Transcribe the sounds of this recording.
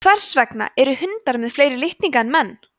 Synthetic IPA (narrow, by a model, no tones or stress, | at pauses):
vɛr̥svɛkna̰ʔɛɾʏhʏnt̪aɾmɪðfleːjɾɪlɪht̪niŋkanmɛnː